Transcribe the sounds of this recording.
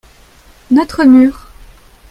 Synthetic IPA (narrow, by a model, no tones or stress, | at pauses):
nɔt̪χəmyːʁ